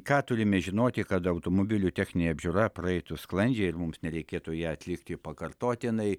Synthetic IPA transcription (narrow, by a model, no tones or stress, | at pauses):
kɑːt̪ʊɾʲɪmʲɛʒʲɪnoːt̪ʲɪkɐt̪ɐʊt̪oːmoːbʲɪlʲuːt̪ʲæːxʲnʲɪnʲeːɐbʲʒʲʊɾɐpɾɐɛɪt̪ʊsklˠɐnʲd͡ʒʲɛɪɪrmʊmsnʲɛɾʲɛɪkʲeːt̪ʊjæːɐt̪ʲlʲɪkt̪ʲɪpɐkɐrt̪oːt̪ʲɪnɐɪ